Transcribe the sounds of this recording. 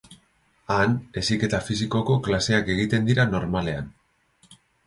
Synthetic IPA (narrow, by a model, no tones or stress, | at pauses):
ane̞sike̞t̪afisiko̞ko̞klase̞ake̞ɣ̞it̪e̞nd̪iɾano̞ɾmale̞an